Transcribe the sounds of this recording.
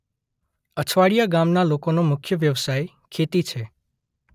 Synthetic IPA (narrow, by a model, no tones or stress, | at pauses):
ət͡ʃʰʋaɽijaɡamnalokonomʊkʰjəʋjəʋsaj | kʰet̪it͡ʃʰe